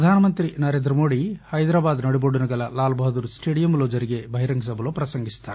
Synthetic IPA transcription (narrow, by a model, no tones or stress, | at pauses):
ɐd̪ʱaːnɐmɐnt̪ɾinɐɾe̞ːnd̪ɾɐmo̞ːɽihɐjd̪ɾaːbaːd̪nɐɽiboɽunɐɡɐlɐlaːlbʱɐɦɐd̪uɾsʈe̞ːɽijɐmloːd͡ʒɐɾiɡe̞bʱɐɦiɾɐŋɡɐs̬ɐbʱɐloːpɾɐsɐŋɡist̪aːɾ